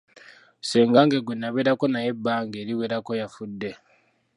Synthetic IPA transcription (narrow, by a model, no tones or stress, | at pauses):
seːŋɡaŋɡeɡwenːaβeɾako̞naje̞bːaːŋɡeːɾiweɾako̞jafudːe̞